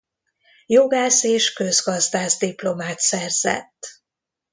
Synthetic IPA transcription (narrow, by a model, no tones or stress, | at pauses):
joɡaːseːʃkø̞zɡɒzd̪aːzd̪iplo̞maːt̪sɛrz̥ɛ̰t̪ː